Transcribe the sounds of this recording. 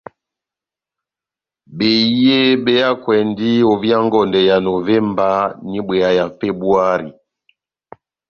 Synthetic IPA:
be˨˦e˦be˦ja˦kwɛ˨ndi˦o˨vja˦ŋ˦ɡɔ˨ndɛ˨ja˨no˨vɛ˦mba˦ni˦bwɛ˨a˦ja˨fe˦bu˦a˦ɾi˨

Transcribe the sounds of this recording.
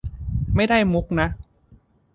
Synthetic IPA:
ma˥˩jda˥˩jmu˦˥k̚na˦˥ʔ

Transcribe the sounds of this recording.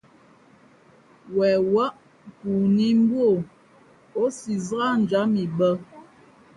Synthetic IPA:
wɛ˨wa˦ʔ | ku˨ni˦m̩˦bwo˦˨ | o˦si˨zɣa˦n̩˨d͡ʒa˨˦mi˨bə˦

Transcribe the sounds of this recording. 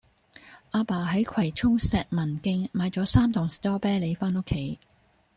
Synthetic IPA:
ʔaː˧paː˨˩ɦɐ˨˥jkʷʰwɐ˨˩jt͡ʃʰʊ˥ŋsɛː˨k̚mɐ˨˩nkɪ˧ŋmaː˨˧jt͡sɔː˨˥saː˥mt̪ʰʊ˨˩ŋst̪ɔː˥pɛː˥le˨˧jfaː˥nʊ˥kʰːe˨˥˦j

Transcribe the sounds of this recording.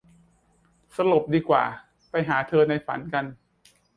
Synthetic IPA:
sa˧lo˨˩p̚diː˧kwa̰ː˨˩ | pa˧jɦaː˩˦t̪ʰɤː˧na˧jfa̰˩˦nka˧n

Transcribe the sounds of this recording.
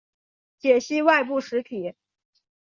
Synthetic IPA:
t͡ɕjɛ˨˩ɕi˥˧wa˥˧ɪp̬u˥˩ʂɻ̩˧˥t̪ʰi˨˩˦

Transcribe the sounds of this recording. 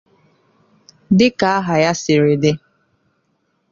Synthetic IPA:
dɪ˦ka˨a˦ɦa˨ja˦sɪ˨ɾɪ˨dɪ˦

